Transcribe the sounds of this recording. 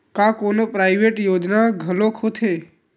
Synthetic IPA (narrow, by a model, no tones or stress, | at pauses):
kãkoːnopɾaɪʋeʈjoːd͡ʒnaɡʱəlokʰot̪ʰeː